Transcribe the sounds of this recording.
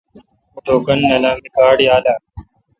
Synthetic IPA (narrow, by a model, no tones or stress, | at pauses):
ɖʱoːkənːəlãːmɪkaːɽɪjaːlaː